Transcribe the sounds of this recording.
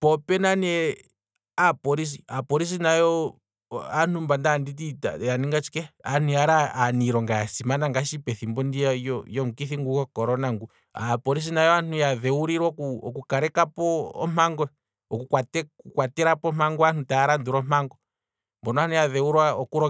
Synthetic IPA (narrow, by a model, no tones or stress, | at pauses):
pɔpɛnanɛ | apɔɾis̬iapɔɾis̬inajɔ | an̥umbandandit̬ita̰janiŋɡat͡ʃi̥kɛaniaɾaːniɾɔŋɡajasimanaŋɡaʃipɛθimbɔndiajɔjɔm̩ukiθiŋɡukɔkɔɾɔnaŋɡu | apɔɾis̬inajɔan̥ujaðɛuɾiɾwakuɔ̰kukaɾɛkapɔ̰ːm̥aŋɡɔ | ɔkukwatɛkukwatɛɾapɔmaŋɡɔanutaaɾanduɾɔm̥aŋɡɔ | mbɔnɔanujaðɛuɾwaɔkuɾɔ